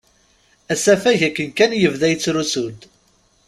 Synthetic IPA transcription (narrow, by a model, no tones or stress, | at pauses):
æsæfæʝækːənkænjəvðæjət͡sːɾusud̪